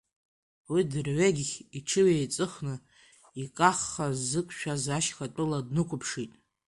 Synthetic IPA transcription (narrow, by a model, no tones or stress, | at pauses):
widɨrʕeɡʲχʲiʈ͡ʂʰɨwejt͡sʼɨχnɨ | ikʼaχːazɨkʷʼʰʃᶣazaʃχatʷʼɨladnɨkʷʰʊpʰʂitʼ